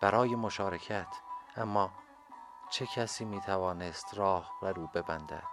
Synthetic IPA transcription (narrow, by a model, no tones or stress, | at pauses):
b̥æɾɒːje̞moʃɒːɾe̞cʰæt̪ʰʔæmːɒː | t͡ʃʰe̞kʰæsiːmiːt̪ʰævɒːnest̪ɾɒːhbæɾuːbe̞bænd̪æ̰d̪̥